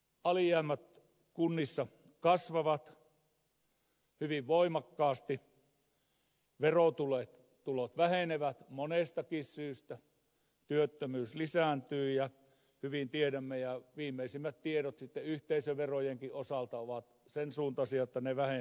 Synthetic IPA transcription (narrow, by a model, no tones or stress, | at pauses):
ɑliæːmːæt̪ | kunːisːɑ | kɑsʋɑʋɑt̪ | hyʋiʋʋoimɑkːɑːst̪i | ʋerot̪ulet̪ | t̪ulot̪ʋæheneʋæt̪monest̪ɑkissyːst̪æ | t̪yøt̪ːømyːslisæˑnt̪yːjɑ | hyʋint̪ieɾæmːejɑʋiːmːeisimːæt̪t̪ieɾot̪sit̪ːeyht̪eisøʋʋerojeŋkiʔosɑlt̪ɑoʋɑt̪sensuːnt̪ɑsiɑjot̪ːɑneʋæhe